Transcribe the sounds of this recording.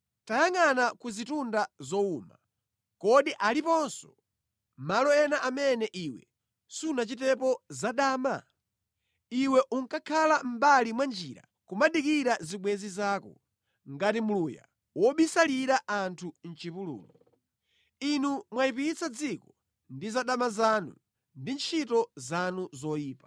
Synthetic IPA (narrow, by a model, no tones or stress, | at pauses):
tajaŋanakuzitundazɔuma | kɔɗiʔalipɔnsɔ̥ | malɔɛnaʔamɛnɛʔiwɛ̰ | sunat͡ʃitɛpɔzaɗaːma | iwɛʔuŋkakʰalam̩balimwand͡ʒiːɾa̰ | kumaɗikiɾaziɓwɛzizaːkɔ | ŋɡatimuluja̰ | wɔɓisaliɾaʔantʰun̩t͡ʃipulṵːlu | inumwaipit͡sad͡zikɔ | ndizaɗamazanṵ | ndint͡ʃʰitɔzanuzɔjiːpa